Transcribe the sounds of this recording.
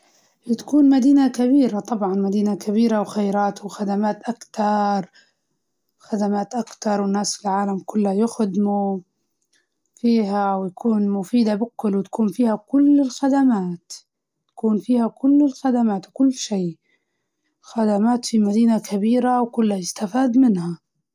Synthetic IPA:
t̪ḁkuːnmad̪iːnakabiːɾat̪ˤɑbʕɑnmad̪iːnakabiːɾawxajɾaːt̪wxad̪amaːt̪ʔakt̪ɑɾˤ | xad̪amaːt̪ʔakt̪ɑɾˤwɪnːaːsfilʕaːlamkʊlːhajʊxd̪mu | fiːɦawjakuːnmʊfiːd̪abɪkːʊlwt̪ḁkuːnfiːhakʊlːɪlxad̪amaːt̪ | t̪ḁkuːnfiːhakʊlːɪlxad̪amaːt̪wkʊlːʃeː | xad̪amaːt̪fimad̪iːnakabiːɾawkʊlːhajɪst̪afiːd̪mɪnha

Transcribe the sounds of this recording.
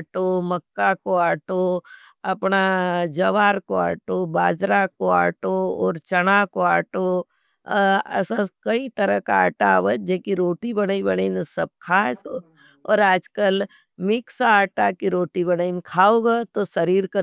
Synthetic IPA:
ʈomɐkːakoaːʈo | ɐpnad͡ʒɐʋaːɾkoa̰ːʈobaːd͡ʒɾakoa̰ːʈoɔːɾt͡ʃɐɽakoaːʈo | ɐ̰sãkɐit̪əɾəkaaːʈaːʋət̪̚d͡ʒeːkiɾoːʈibɐɽaibɐɽəinsɐb̚kʰaːs | ɔːɾaːd͡ʒkəl | mɪksaaːʈakiɾoːʈibɐnainkʰaːoːɡat̪osɐɾiːɾkə

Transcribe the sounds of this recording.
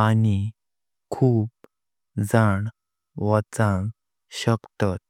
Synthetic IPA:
ani | kʰuːp̚ | d͡zaɳ | ʋət͡sãŋɡ | ɕəkt̪at̪̚

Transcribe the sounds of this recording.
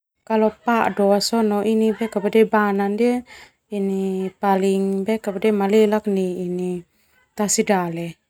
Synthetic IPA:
kalɔpaʔdɔasɔnɔʔinibɛkabadɛbanandie | inipaliŋbɛkabadɛmalɛlak̚niːni | t̪asidalɛ

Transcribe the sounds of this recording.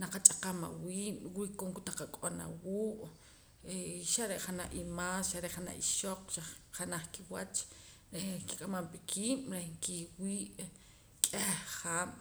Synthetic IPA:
naqat͡ʃʼaqama̰wiːʔwikoŋkut̪aqakʼona̰wuːʔ | eʃaɾeʔχanaʔimaːsʃaɾeʔχana̰ʔiʃoq͡χʃaχχanaχkiwat͡ʃ | ɾehki̥kʼamampikʰiːmɾehŋkiwiːʔ | kʼehχaːm̥

